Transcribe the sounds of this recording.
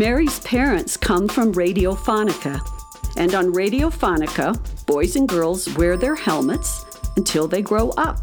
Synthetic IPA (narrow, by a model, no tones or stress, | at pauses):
mɛɹiz̥pʰɛɹɨ̃ntskʰʌ̃ɱfɹʌ̃mɹeɪɾioʊfɑnɨkʰɨ | ʔɨ̃ñn̩ɹeɪɾioʊfɑnɨkəb̥ɔɪzɨ̃nɡɜ˞lˠzwɛɹðə˞hɛlˠmɨts | ɨ̃ntʰɪlˠðeɪɡɹoʊʔʌp̚